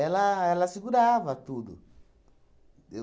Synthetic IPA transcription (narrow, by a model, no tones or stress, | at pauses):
ɛlaɛlasikudavat̪ud̪ṵ